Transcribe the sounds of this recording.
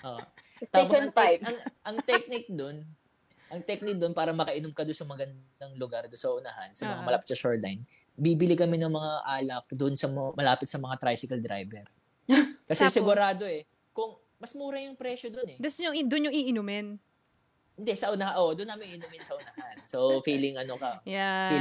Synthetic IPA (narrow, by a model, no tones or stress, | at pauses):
ʔoʔ | t̪aːposɐɐŋʔɐŋt̪ɛk̚nɪk̚d̪on | ʔɐŋt̪ɛk̚nɪk̚d̪onpaːɾɐmɐkɐʔɪnʊmkɐd̪ʊnsɐmɐɡɐnd̪ɐŋlʊɡaɾd̪ʊnsɐʔʊnɐha̰nsɐmɐŋamɐlaːpɪ̥t̪sɐʃoɹd̪lajn | biːbɪlɪkɐmɛnɐŋmɐŋaʔaːlɐk̚d̪ʊnsɐmmɐlaːpɪt̪sɐmɐŋat̪ɾajsɪkɐld̪ɾa̰jbɛɾ | kɐsɛsɪɡʊɾaːd̪o̞ɛ | kʊŋ | mɐsmuːɾɐjʊŋpɾɛːʃod̪onɛd̪sɲoŋd̪ʊnɲoŋɪʔɪnʊmɛn | hɪnd̪ɛsɐʔʊnɐhaʔod̪ʊnːɐaːmɪŋʔɪnʊmɪnsɐʔʊnɐhansofiːlɪŋʔɐno̞kɐja